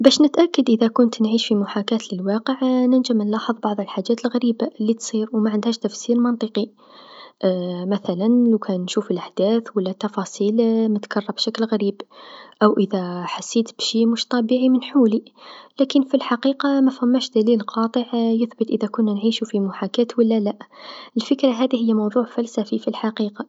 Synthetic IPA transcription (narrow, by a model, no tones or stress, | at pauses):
bæʃnət̪ʔækːəd̪ʔəðækʊnt̪nʕiʃfimʊħakæt̪ləlwɑqəʕnənʒəmənlɑħəðˤbɑʕðˤəlħaʒːæt̪əlɣæɾibalːit̪sˤiɾwmaʕənd̪hæʃt̪æfsiɾmɑnt̪ˤəqi | ʔmæθælænlukʰænʃufəlʔaħd̪æθwəlːæt̪ːɑfɑsˤiːlmət̪kɑrˤːɑbʃæklɣæɾiːbʔəwʔəðæħasːit̪b̥ʃimʊʃt̪ˤɑbiʕimənħulilækənfilħɑqiqɑmæfhæmːæʃd̪ælilqɑt̪ˤəʕjəθbət̪ʔəðækʊnːænʕiʃufimʊħakæt̪wəlːælæʔʔəlfəkɾaɦæd̪iɦəjːæmɑwðˤuʕfælsæfifilħaqiqɑ